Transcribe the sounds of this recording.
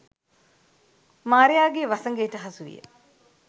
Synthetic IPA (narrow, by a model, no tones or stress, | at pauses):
maːɾejaːɡeːʋasɐŋɡeːʈəɦɐsuʋḭjə̰